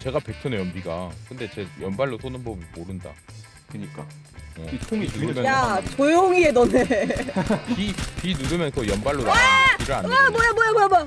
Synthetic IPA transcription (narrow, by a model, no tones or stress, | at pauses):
t͡ɕe̞ɡape̞k̚tʰonejʌmbiɡakɯnde̞t͡ɕe̞jʌnbaɭːos͈ʰonɯnbʌbmoɾɯnda̰ | kɯɲik͈a | ʌ̰nuɯmjjat͡ɕojoŋiedʌne | pipinuɾɯmjʌnsʰʌjʌnbaɭːoɾad͡ʑiɾɯɭa̰nbwʌjabwʌjabojaboja